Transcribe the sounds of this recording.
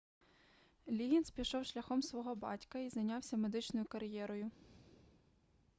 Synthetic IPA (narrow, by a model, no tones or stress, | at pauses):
lʲiɦʲinspʲiʃɔwʃlʲɐxɔmsʋɔɦɔbɑ̰tʲkɐizɐjnʲɑwsʲɐme̞d̪ɪt͡ʃnɔjʊkɐɾjɛɾɔjʊ